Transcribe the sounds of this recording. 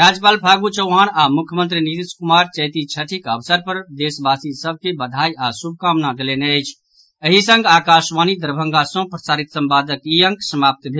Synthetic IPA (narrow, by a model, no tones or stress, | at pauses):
ɾad͡ʒəpaːlpʰaɡut͡ʃəɦanamukʰjəmənt̪ɾinit̪iskumaɾt͡ʃəjt̪it͡ʃʰəʈʰikəbsəɾpəɾd̪esbasisəb̚ʱkebəd̪ʱajasub̚ʱkamnad̪elenəɪt͡ʃʰ | əɦisə̃ŋɡaːkasmanid̪əɾbʱə̃ŋɡasə̃pɾəsaɾit̪səmpad̪əkijəŋksəmap̚t̪bʱe